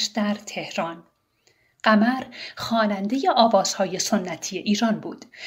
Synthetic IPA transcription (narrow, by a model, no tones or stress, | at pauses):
ʃd̪æɾt̪ʰe̞hɾɒːn | ɢ̥æmæɾxɒːnænd̪e̞je̞ʔɒːvɒːz̥hɒːje̞so̞nːæt̪ʰije̞ʔiːɾɒːnbuːd̪̥